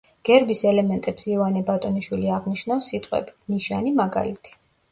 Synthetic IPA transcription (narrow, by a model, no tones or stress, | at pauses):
ɡ̥ɛɾbisɛlɛmɛnt̪ʼɛpsivanɛbat̪ʼɔniʃwiliaʁniʃnafsːit̪ʼqʼwɛ̰biniʃanimaɡa̰lit̪ʰi̥